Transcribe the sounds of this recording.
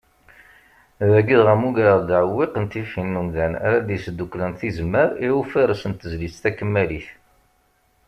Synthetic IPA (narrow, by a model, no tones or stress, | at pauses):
ðæɡiðʁæmuɡaɾəðd̪ʕəwːiqənt̪ifinːumðænæ̰ɾad̪jsəd̪ːuklænθizmːəɾiwufaɾəsənt̪əzlit͡st̪ækəmːæliθ